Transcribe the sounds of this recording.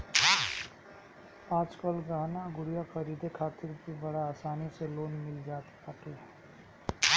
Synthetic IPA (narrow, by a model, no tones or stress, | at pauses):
aːd͡ʒkəlɡaːnaɡʊɽijakɐɾiːd̪ekʰaːt̪ɪɾbibɐɽaaːsaːniseloːnmɪld͡ʒaːt̪e̥pɐʈe